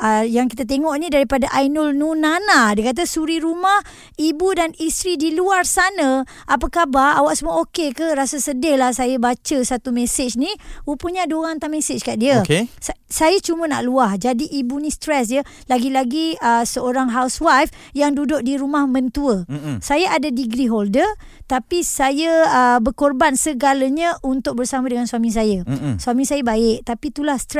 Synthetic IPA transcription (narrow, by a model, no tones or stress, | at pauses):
əjaŋkit̪at̪̬eŋɔʔnidaɾipadaʔajnʊlnunanadiəkat̪̬asuɾiɾumah | ibudanist̪ɾidiluarsanə | ʔap̬akabaawaʔsəmuaokekəɾasasədɪhlahsajəbat͡ʃəsat̪umesɪt͡ʃniupuɲadoɣaŋt̪aʔmesɪt͡ʃkaʔdiəkesasajat͡ʃumə̃na̰ʔluahd͡ʒadiʔibunĩst̪ɾɛsjə | laɡilaɡiəsəoɾaŋɦawswajf | jaŋdudʊʔ̚diɾumahmə̃nt̪uəsajaʔadadiɡɾiɦoldər | t̪apisajəəbərkorbansəɡaləɲaunt̪ʊk̚bərsamãdəŋanswamĩs̬ajəsuamĩsajəbaɪʔ̚t̪apit̪ulahst̪ɾ